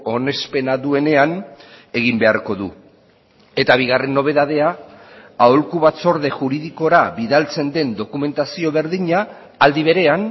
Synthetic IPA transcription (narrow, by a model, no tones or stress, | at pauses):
o̞ne̞spe̞naðue̞ne̞ane̞ɣ̞imbe̞aɾko̞ðu | e̞t̪aβ̞iɣare̞nːo̞β̞e̞ðað̞e̞a | aolkuβat͡so̞ɾðe̞ʝuɾiðiko̞ɾaβiðalt͡se̞nd̪e̞nd̪o̞kume̞nt̪asio̞β̞e̞ɾðiɲaː | ld̪iβ̞e̞ɾe̞an